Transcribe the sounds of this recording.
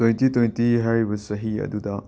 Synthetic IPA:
tojntitojntiɦaɾibɐsɐɦiɐ̰dudɐ

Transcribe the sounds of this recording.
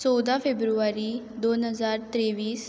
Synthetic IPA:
t͡sɔwd̪afebɾuʋaɾi | d̪onɦəzaːɾt̪ɾeʋiːs

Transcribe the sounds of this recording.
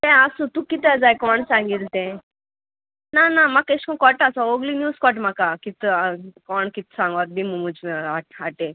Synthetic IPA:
easut̪ukːit̪ːazaːjkɔːɳsaːŋɡiɾt̪ːe | naːnamɐkːeskõkɔːʈasaoːɡlinjuːskɔʈ̬makːakit̪ːkɔːɳkit̪ːsaːŋɡɐd̪̚bimumut͡ʃaaʈe

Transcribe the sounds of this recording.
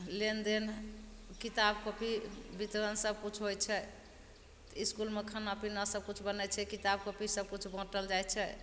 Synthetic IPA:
lend̪enkit̪abkəpibit̪ɾənsəb̚kut͡ʃʰɦojt͡ʃʰɛ | iskulmekʰənapinasəb̚kut͡ʃʰbənɛt͡ʃʰɛkit̪abkəpisəb̚kut͡ʃʰbə̃ʈəld͡ʒajt͡ʃʰɛ

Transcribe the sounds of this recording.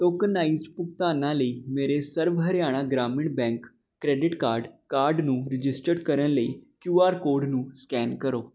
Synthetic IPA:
ʈokənːaisʈpuk̚t̪ãnːaleimeɾesəɾbʱəɾjaɽ̃ãɡɾamiɳʈbɛ̃ŋkː | ɾeɖiʈkaɾɖkaɾɖnũːɾid͡ʑisʈəɽkəɾəleikjuaɾkoɾɖnũːskɛnkəɾo

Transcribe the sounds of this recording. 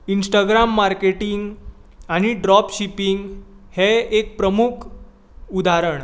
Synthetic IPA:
insʈaɡɾamːaɾkeʈiŋɡ | aɽ̃iɖɾɔpɕipiŋɡ | heek̚pɾəmukʰ | ud̪aɾəɳ

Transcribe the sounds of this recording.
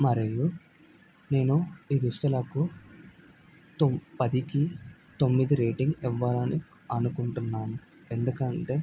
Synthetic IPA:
mɐɾeju | ne̞ːnuiːd̪ust̪ɐlɐku | t̪pɐd̪iki | t̪o̞mːid̪iɾeːʈiŋɡiʋːɐlɐni | ɐnukuɳʈunːaːnu | e̞nd̪ukɐɳʈe̞ː

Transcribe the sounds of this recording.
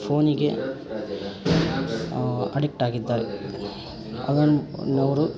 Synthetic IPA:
pʰoːniɡḛ | ɐɽik̚ʈaːɡid̪ːaːɾe | ɐ̰ðɐnnɐʋɾu

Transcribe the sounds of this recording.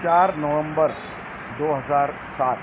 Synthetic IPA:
t͡ʃaɾnəʋə̃mbəɾ | d̪oːɦəzaːɾ | sat̪

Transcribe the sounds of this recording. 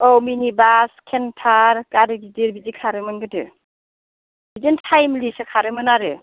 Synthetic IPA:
ɔminibaskʰentʰaɾkaɾɯbidiɾbidikʰaɾɯmɯnɡɯdɯ̰ | bidintʰajmlisɯkʰaɾɯmɯnaɾɯ

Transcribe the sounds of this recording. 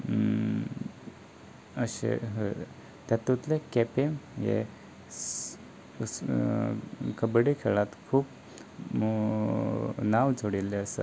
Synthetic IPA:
əɕḛɦ | t̪jat̪ut̪lekɛpemjḛ | kəbɽikʰeɭat̪kʰuːp | nawd͡zʱoɽilːeəsə

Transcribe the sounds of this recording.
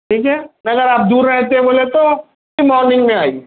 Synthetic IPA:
ʈʰiːkɦɛːnɐɡəɾaːp̚d̪uːɾːɛɦt̪eɦɛ̃boːlet̪o | imɔːɾnɪ̃ŋɡmẽaːḭː

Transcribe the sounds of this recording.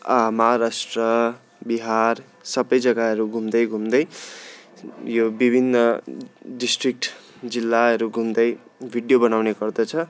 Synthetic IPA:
amaʌɦaɾasʈrʌ | biɦar | sʌbʌjd͡zʌɡaɦʌɾuɡʱumd̪ʌjɡʱumd̪ʌj | jobibʱinːʌɖisʈrik̚ʈ | d͡zilːaʌɾuɡʱumd̪ʌj | bʱiɽjobʌnawneɡʌrd̪ʌt͡sʰʌ

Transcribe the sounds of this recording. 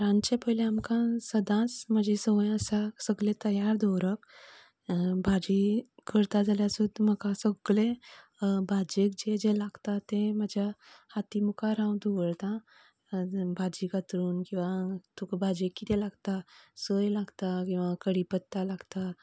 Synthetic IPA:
ɾãnt͡ɕepəjleamkãsəd̪ʱãt͡sməd͡ʑesəj̃əsasəɡlẽt̪əjaɾd̪ɔɾək | bʱad͡ʑikʰəɾt̪ad͡zaljasud̪m̤əkasəɡle | bʱad͡ʑekd͡ʑed͡ʑelaɡt̪at̪eməd͡ʑʱjahat̪imukaɾãwd̪uɡəɭt̪ã | bʱad͡ʑikat̪ɾuːnkĩw̃ʋat̪ukbʱad͡ʑekːit̪elaɡt̪asəjlaɡt̪akĩw̃ʋakəɽipət̪ːalaɡt̪a

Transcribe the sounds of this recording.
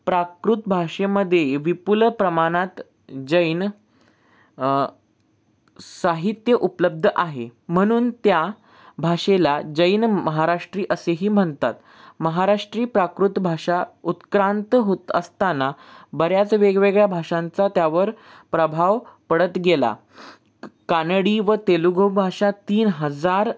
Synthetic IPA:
pɾakɾut̪bʱaʂeməd̪ʱːjeʋipulpɾəmaɽ̃at̪ | d͡ʑəjn | saɦit̪jəʔupləb̚d̪ʱəʔaɦem̤əɽ̃uːnt̪ja | bʱaʂelad͡ʑəjnməɦaɾaʂʈɾiːʔəseɦiːm̤əɳt̪at̪ | məɦaɾaʂʈɾiːpɾakɾut̪bʱaʂaut̪kɾant̪ɦot̪əst̪anabəɾjat͡sʋeɡʋeɡɭjabʱaʂãnt͡sat̪jaʋəɾ | pɾəbʱaʋpəɽət̪ɡela̰ | kanɽiːʋət̪eluɡʱəwbʱaʂat̪iːnɦəd͡zaɾ

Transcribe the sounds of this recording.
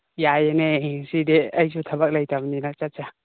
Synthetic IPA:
jajeneɦeŋsideɐjsutʰabak̚lajtʰabninat͡ʃat̚t͡ʃa

